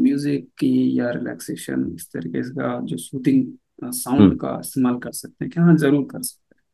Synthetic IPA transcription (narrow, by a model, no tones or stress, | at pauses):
mjuːzɪkːijaɾɪlɛ̰ːkseːʃə̰nɪst̪ɐ̰ɾḭːkeskad͡ʒoːsuːʈ̪ɪ̃ŋɡ | sãʊ̃ɳɖka̰ɪst̪eːmaːlkɐɾsɐk̚t̪eɦɛ̃kjʋɦãzɐɾuːɾkɐɾsɐ̥k̚t̪eɦɛ̃